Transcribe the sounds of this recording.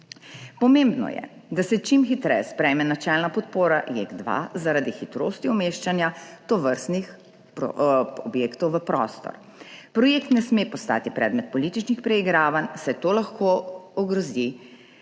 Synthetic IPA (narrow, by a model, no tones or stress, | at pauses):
pɔmeːmbnɔ̰jɛ̰ | d̪asɛt͡ʃimxit̪ɾɛ̰jɛspɾɛjmɛnat͡ʃɛːlnapɔt̪poːɾa̰jḛɡd̪ʋa̰zaɾad̪ixit̪ɾo̰ːst̪iɔmeːʃt͡ʃanjat̪ɔʋəɾst̪nix | pɔbjeːkt̪ɔwʋəpɾɔ̰st̪ɔ̰ɾ | pɾɔjeːkt̪nɛsmepɔst̪a̰ːt̪ipɾɛ̰ːd̪mɛt̪̚pɔliːt̪it͡ʃnixpɾɛiɡɾaːʋansɛt̪oːlaxkoɔɡɾɔzi